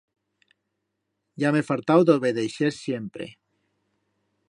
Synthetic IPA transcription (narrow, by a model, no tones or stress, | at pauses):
jamefalt̪awd̪oβeðejʃeɾsjempɾḛ